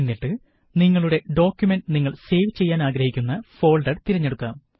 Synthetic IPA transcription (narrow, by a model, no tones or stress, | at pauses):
inːiʈːɨ | niŋːɐɭuɽe̞ɖo̞ːkʲjume̞ɳɖniŋːɐɭse̞ːʋt͡ɕe̞jːaːnaːɡɾɐhikʲːunːɐfo̞ːlɖɐɖt̪iɾɐɲːe̞ɽukːaːm